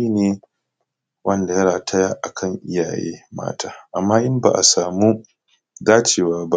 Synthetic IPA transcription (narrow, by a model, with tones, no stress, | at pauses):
i˦neː˦ | wʔɐ˦nda˨jɐ˦ɽaː˨tʰɐ˦ja˦ʔa˨kʰɐ˦˨ŋʔɪ˦ja̰ː˨jḛː˦ma̰ː˦tʰa̰ː˦ʔa˨mːaː˦ʔɪ˦mba̰ː˨ʔa˨saː˨mu˦ | daː˦t͡ʃeː˦˨waː˦ba˦